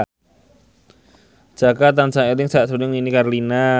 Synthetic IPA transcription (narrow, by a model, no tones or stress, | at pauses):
d͡ʒ̥akat̪ansaŋelɪŋsaaʔ̪sudʊŋinikarlina